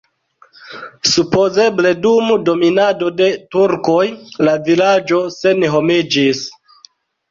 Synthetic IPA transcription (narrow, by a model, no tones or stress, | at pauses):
supo̞ze̞ble̞dumdo̞minado̞de̞tuɾko̞jlavilad͡ʒo̞se̞neɦo̞mid͡ʒis